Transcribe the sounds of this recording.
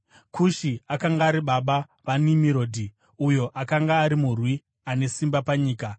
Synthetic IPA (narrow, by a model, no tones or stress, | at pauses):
kʰuʃiakaŋɡaːɾiɓaɓa | ʋanimiɾoːdʱi | ujo̞ʔakaŋɡaːɾimurwi | ane̞simbapaɲiːka